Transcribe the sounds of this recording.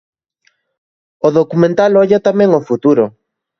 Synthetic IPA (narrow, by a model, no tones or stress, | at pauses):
oðokumẽnt̪alɔʎat̪amɛ̃ŋofut̪uɾo